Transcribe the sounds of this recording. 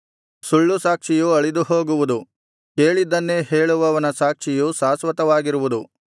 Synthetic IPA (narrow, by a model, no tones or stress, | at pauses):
suɭːusaːkʂijuɐɭid̪uho̞ːɡuʋud̪u | ke̞ːɭid̪ɐnːeɦe̞ːɭuʋɐʋɐnɐsaːkʂijusaːsʋɐt̪ɐʋaːɡiɾuʋud̪u